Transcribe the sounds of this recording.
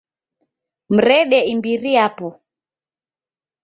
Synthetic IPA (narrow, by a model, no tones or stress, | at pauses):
m̩ɾɛɗɛimbiɾiapɔ